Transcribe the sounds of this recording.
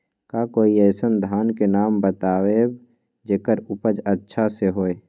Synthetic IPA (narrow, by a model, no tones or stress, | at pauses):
kakoːiɛːsənd̪ʱaːnkenaːmbət̪aːweːb | d͡ʒeːkəɾʊpəd͡ʒətːʃʰaseɦoːe